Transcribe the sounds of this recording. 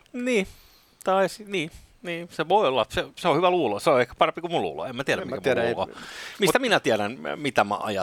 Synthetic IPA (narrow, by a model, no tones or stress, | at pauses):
niː | t̪ɑisiniː | niːseʋoˑiolːɑseseohyʋæluːloseoehkæ̥pɑrempikummulṵːlo̰emæt̪iæɾæmkæmlːlo̰mimut̪æminæt̪iæɾænmit̪æmæ̰ʔɑ̰jɑ